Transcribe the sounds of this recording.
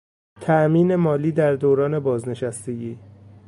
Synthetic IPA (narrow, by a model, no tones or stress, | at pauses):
t̪ʰæʔmiːne̞mɒːliːd̪æɾd̪oːɾɒːne̞bɒːzne̞ʃæst̪e̞ɡiː